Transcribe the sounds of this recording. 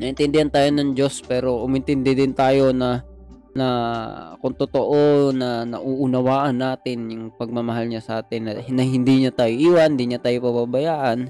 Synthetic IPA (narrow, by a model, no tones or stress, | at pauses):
nɐʔɪnt̪ɪnd̪ɪhant̪aːjonɐŋd͡ʒo̞spɛːɾo̞ʔʊmʔɪnt̪ɪnd̪ɛd̪ɪnt̪aːjo̞nɐ | nɐkʊŋt̪ot̪oʔonɐnɐ̰ʔuːʔʊnɐwaːʔɐnːaːt̪ɪnjʊŋpɐɡ̚mɐmɐɦalɲasɐʔaːt̪ɪnːɐnɐɦɪnd̪iɲat̪aːjoʔiːwand̪iɲat̪aːjopɐbabɐjaːʔan